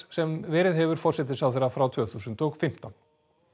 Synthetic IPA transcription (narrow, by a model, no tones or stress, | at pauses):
sɛmvɛːɾɪðɦɛvʏɾ̥fɔr̥sɛt̪̬ɪsawθɛɾːafɾawt̪ʰv̥œːθusʏnt̪ɔɣfɪm̥t̪an